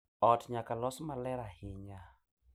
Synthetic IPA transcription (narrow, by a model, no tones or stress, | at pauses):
ɔtɲakalɔsmalɛɾahɪɲa